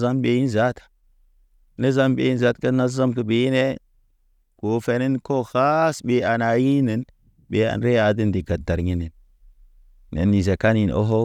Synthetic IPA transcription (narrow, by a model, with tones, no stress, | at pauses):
za˦mbe˨ji˦n˦za˦tḁ˨ | nə˦za˦mbḛ˨ji˦nza˦tkə˦na˦a˦mkə˨be˨˦jne˦ | ko˨fe˨ni˦nko˦xa˦sɓe˨a˨na˨ji˦ne˨n | be˨˦a̰˨nɾe˦a˨di˦ndi˨ɡa˨tːa˨ɾɲi˦ni˨n | nḛ˨nːi˨ze˨ka˦ni˨no̰˦ɦo˦